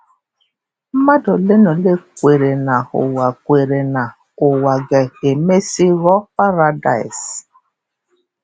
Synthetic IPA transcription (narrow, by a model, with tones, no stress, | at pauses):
m̩˦ma˦dɔ˨le˦nɔ˨le˦kʷe˨ɾe˨na˨ʊ̰˨wa˨kʷe˨ɾe˨na˨ | ʊ˨wa˨ɡe˨e˨me˦si˦ɣɔ˦pa˦ɾa˦da˨js